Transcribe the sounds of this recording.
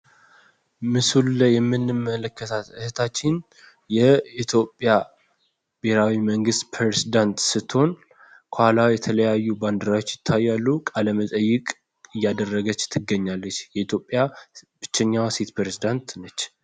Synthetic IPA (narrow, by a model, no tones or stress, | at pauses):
mɨsulləjɛmːɨnːɨmːələkʰːət̪ʰat̪ɨhɨt̪ʰat͡ʃːɪn | jɛit̪ʰjo̞pʼːja | b̥eɾawiməŋɡɨst̪pʰɾɾezid̪ant̪sɨt̪ʰːho̞n | kʷʰalawjɛt̪ʰələjajːuband̪ɾawo̞t͡ʃːjɪt̪ʰːajːalːukʼaləmət̪ʼəjːɨkʼ | ɨjːad̪ərːəɡət͡ʃːt̪ʰɨɡːəɲːalːət͡ʃːjɛit̪ʰjo̞pʼjab̥ɨt͡ʃːɛɲːawset̪pɾezid̪ant̪nət͡ʃː